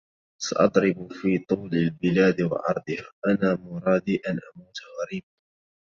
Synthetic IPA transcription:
sa̰ʔɑd̪ˤɾɪbfiːt̪ˤuːlalbɪlaːd̪wɑ̰ʕɑ̰ɾˤd̪ˤɨhaʔanaːmʊɾˤɑːd̪iːʔanʔamuːt̪aɣɑɾiːba

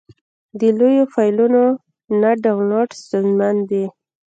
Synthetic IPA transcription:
d̪əlojofɑjluno | naɖawnɑʈst̪unzmand̪i

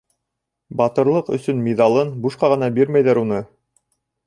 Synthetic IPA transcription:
bɑt̪ɤ̆ɾlˠɤqɵ̰̆sɵnmiðɑlˠɤnbuʃqɑʁɤ̆nɑbiɾmæjðæɾunɤ

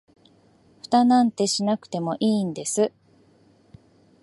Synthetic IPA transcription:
ɸɯ̟̥t̪anãnt̪e̞ɕinakɯ̟̥t̪e̞mo̞ʔiːnd̪e̞sɨ

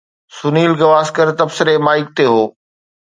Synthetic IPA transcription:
sʊniːlɡɐʋaːskəɾt̪ɐbsɪɾemaːɪk̚t̪eɦoː

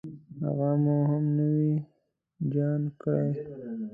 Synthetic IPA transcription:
ha̰ɣamuɦamnəwi | d͡ʒɑnkəɽej

